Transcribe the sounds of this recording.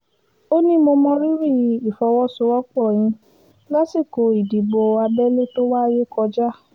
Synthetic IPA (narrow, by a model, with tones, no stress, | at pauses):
o˦nĩ˦mõ˧mɔ̃˧ɾi˦ɾi˦˨˧i˨fɔ˧˦wɔ˦so˧˦wɔ˦k͡pɔ˦˨j̃ĩ˧ | la˦si˦˨ko˨˧i˨di˨ɡ͡bo˧a˧bɛ˦le˦to˦wa˦je˦kɔ˧d͡ʒa˦